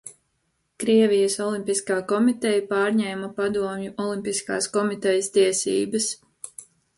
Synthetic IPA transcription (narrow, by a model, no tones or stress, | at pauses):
kɾiɛvijəsɔlˠimpiskaːkɔmit̪ɛjapaːɾɲɛːmɐpad̪uɔmjuʔɔlˠimpiska̰ːskɔmit̪ɛjəst̪iɛsḭːbəs